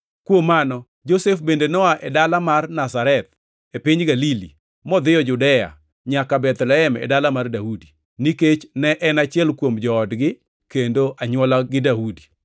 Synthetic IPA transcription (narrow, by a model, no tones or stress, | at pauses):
kwomanɔ | d͡ʒosefbendenɔaʔɛdalamarnasaɾɛt̪̚ | epɪɲɡalilḭ | mɔd̪ɪjɔd͡ʒʊdɛja̰ | ɲakabɛt̪lɛɦɛmɛ̰dalamardaudi | niket͡ʃnɛʔɛnat͡ʃɪɛlkwomd͡ʒɔːdɡɪ | kendoʔaɲwɔlaɡɪdaudi̥